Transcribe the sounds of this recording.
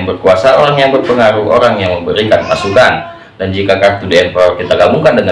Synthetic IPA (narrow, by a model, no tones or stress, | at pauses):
ŋbərkuasaoɾaŋjaŋbərpəŋaɾuʔo̰ɾaŋjaŋməmbəɾikanmasukan | dand͡ʒikakart̪udeɛmpakit̪aɡamuŋkandəŋa